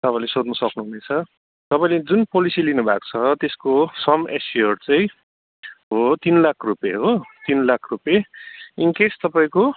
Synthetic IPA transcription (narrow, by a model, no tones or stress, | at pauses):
t̪ʌpãĩlesot̪nʌsʌknuɦunet͡sʰʌ | t̪ʌpaĩled͡zunpolisilinubʱa̰k̚t͡sʰʌt̪eskosʌmḛsiʌrt͡saj̃ | ɦot̪inlakʰrupjeɦot̪inlakʰrupjeiŋkest̪ʌpaĩko